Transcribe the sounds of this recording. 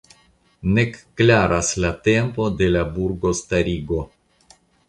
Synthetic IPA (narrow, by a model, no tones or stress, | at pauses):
nekːlaɾaslat̪e̞mpo̞d̪e̞labuɾɡo̞st̪aɾiɡo̞